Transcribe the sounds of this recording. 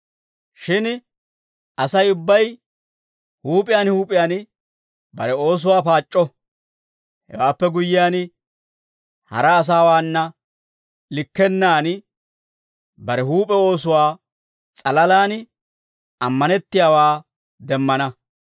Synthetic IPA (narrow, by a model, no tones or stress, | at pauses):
ʃɪn | ʔɐsɐjʊbːɐj | huːpʼɪjaːnhuːpʼɪjaːn | bɐɾɛo̞ːs̬ʊwaːpaːt͡ʃʼːɔ | hɛ̰waːpːɛɡʊjːɪjaːn | hɐ̰ɾɐːs̬aːwaːnːɐ | lɪkːɛnːaːn | bɐɾɛɦuːpʼɛo̞ːsʊwaː | t͡sʼɐlɐlaːn | ɐmːɐnɛt̪ːɪjaːwaː | d̪ɛmːɐnɐ